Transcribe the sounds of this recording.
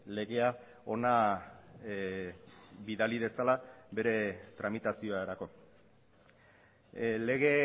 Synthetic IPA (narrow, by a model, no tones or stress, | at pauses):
le̞ɣe̞a | o̞na | biðalið̞e̞salaβe̞ɾe̞t̪ɾamit̪asio̞aeɾako̞ | le̞ɣ̞e̞